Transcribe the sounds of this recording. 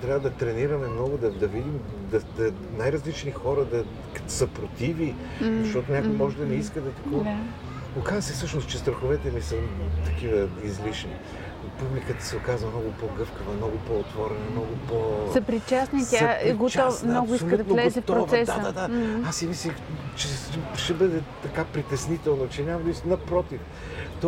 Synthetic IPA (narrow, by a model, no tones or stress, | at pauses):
t̪ɾʲavəd̪ɐt̪ɾɛniɾɐmɛmnɔɡʊd̪ɐd̪ɐvid̪im | d̪ɐd̪ɐ | najɾɐzlit͡ʃnixɔɾɐd̪ɐ | kɐt̪səpɾot̪ivi | zɐʃt̪ɔt̪ʊnʲakʊjmɔʒɛd̪ɐnɛiskəd̪ɐt̪ɐ̥kɔa | okazəsɛfsɤʃnost͡ʃɛst̪ɾɐxovɛt̪ɛmisət̪ɐkivəizlit͡ʃni | publikət̪ə̥sɛokazvəmnɔɡʊpoɡɤfkəvəmnɔɡʊpoot̪vɔɾɛnɐmnɔɡʊposəpɾit͡ʃasnit̪ʲjaɛɡot͡ʃ̪ɔsvmnoɡʊiskɐd̪nlɛzɛft̪ːɾovsɛsadd̪ad̪aasːimislʲit͡ʃɛʃɛbɤd̪ɛt̪ɐkapɾit̪ɛsnit̪ɛlˠnot͡ʃɛnʲamɐd̪isnɐpɾɔt̪if | t̪